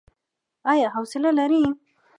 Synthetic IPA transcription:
ajaɦawsɪlalaɾi

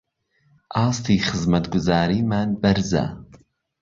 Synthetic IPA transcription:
ʔɑːst̪iːxɨzmɐt̪ɡʊzaːɾiːmaːnbɐɾza̰

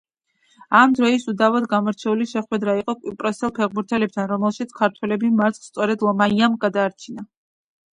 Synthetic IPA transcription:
amd̪ɾɔisud̪avad̪ɡamɔɾt͡ʃʰɛuliʃɛχwɛd̪ɾaiqʼɔkʼipʼɾɔsɛlˠpʰɛʁbuɾt̪ʰɛlɛp̚t̪ʰanɾɔmɛlˠʃit̪sʰkʰaɾt̪ʰwɛlɛbimaɾt̪ʼst̪sʼɔɾɛd̪lˠɔmaiamɡad̪aːɾt͡ʃʰina

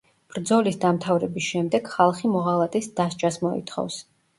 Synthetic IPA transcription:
b̥ɾd̪zɔlisd̪amt̪ʰavɾɛbisʃɛmd̪ɛɡ̥χalˠχimɔʁalˠat̪ʼisd̪ast͡ʃʼasmɔḭt̪ʰχɔ̰vs

